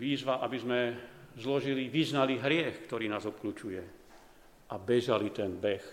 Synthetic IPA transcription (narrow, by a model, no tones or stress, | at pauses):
ʋiːzʋaʔabizmɛzlɔʒiliʋiznaliɦɾɪɛxkt̪ɔɾiːnaːzɔp̚kluːt͡ʃujɛ | ʔabɛʒalit̪ɛnbɛx